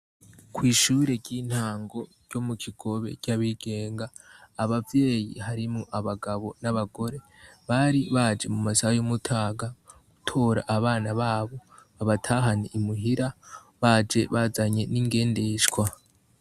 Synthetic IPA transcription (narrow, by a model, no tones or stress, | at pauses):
kwiːʃuːɾe̞ɟɟiːn̥haːŋɡo̞ɾɟ̥o̞mukʰiɡ̥o̞βe̞̰caβiɡ̥e̞ːŋɡaː | βavje̞ːjḭɦaɾimŋoʔaβaɡaβo̞naβaɡo̞ɾe̞ | βaɾiβad͡ʒe̞mumasajomutʰaːɡa | ɡ̥utʰo̞ːɾa̰ʔaβaːnaβaːβo̞βaβatʰaːɦaniʔimuɦiɾa | βad͡ʒe̞βazaɲe̞niːŋɡe̞ːndeʃɡwa